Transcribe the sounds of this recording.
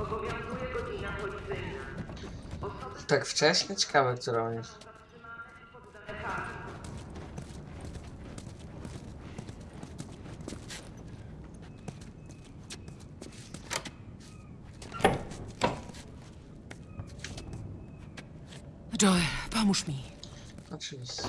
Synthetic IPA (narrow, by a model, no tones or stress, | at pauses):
ɔbɔvʲjɔ̃w̃zujɛɡɔd͡ʑinapɔlʲit̪sɪjna | ɔsɔt̪akft͡ʂɛɕɲɛt͡ɕɛ̥kavɛsɔɾɔbʲit͡ɕ̪ | at̪ʂɨmaɲa | pɔd̪alɛkaɾi | dɔɛpɔmuʂmʲi | ɔt͡ʂɨvʲiɕ